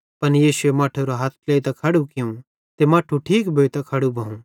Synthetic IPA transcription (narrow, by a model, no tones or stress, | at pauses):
pɐnjiːʃʊemaːʈʰoɾoɦat̪̚ʰleːit̪akʰɐɽukɪjũ | t̪emaːʈʰuʈʰiːkbʱoːjt̪ɐkʰɐɽubʱɐ̃ɦũ